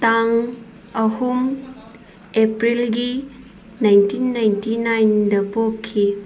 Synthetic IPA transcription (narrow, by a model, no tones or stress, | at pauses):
taŋ | ɐhum | epɾilɡi | najntʰinːajntinajndɐpokkʰːi